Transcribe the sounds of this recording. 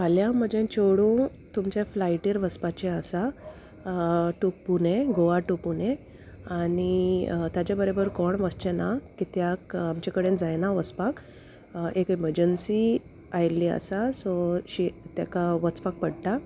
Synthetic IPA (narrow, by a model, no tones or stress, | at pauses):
aljaməd͡ʑẽt͡ɕoɽũ | t̪umt͡ɕeflajʈiːɾʋəspat͡ɕeəsa | ʈuk̚punẽɡoʋaʈupunẽ | anit̪jat͡ɕjabəɾobəɾkɔɳʋəst͡ɕenakit̪jakamt͡ɕakəɽẽd͡zajnaʋəspak | ekiməɾd͡ʑənsi | ajliə̰sasɔɕit̪jakaʋət͡spak̚pəɽʈa